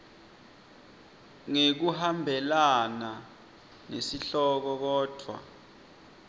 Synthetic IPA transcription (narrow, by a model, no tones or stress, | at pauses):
ŋek̬uhambʱɛlana | nesiɬɔk̬ɔk̬ɔːd̥ʱwa̰